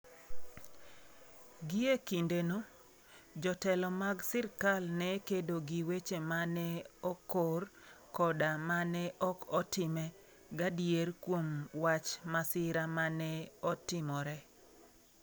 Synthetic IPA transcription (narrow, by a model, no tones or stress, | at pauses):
ɡɪekindeno | d͡ʒɔtɛlɔmaɡsɪrkalnɛkedoɡiwet͡ʃemanɛɔkor | kɔdamanɛʔɔkɔtɪmɛ | ɡadjerkwomwat͡ʃmasɪɾamanɛɔtɪmɔɾɛ